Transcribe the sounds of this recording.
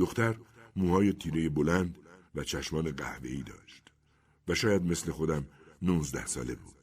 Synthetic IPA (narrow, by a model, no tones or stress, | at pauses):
d̪oxt̪æɾmuːhɒːjet̪ʰiːɾeje̞bolænd̪væt͡ʃʰæʃmɒːne̞ɢæ̰hve̞̰iːd̪ɒ̰ːʃt̪ | væʃɒːjæd̪me̞sle̞xo̞d̪æmnunzd̪æhsɒ̰ːle̞̰bṵːd̪̥